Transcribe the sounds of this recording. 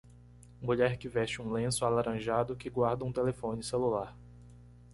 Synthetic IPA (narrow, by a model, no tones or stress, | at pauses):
muʎɛɾkɪvɛʃt͡ʃɪũlẽsʊalaɾʔɐ̃ʒad̪ʊkɪɡwaɾd̪ɐũt̪elefõnɪselulaɾ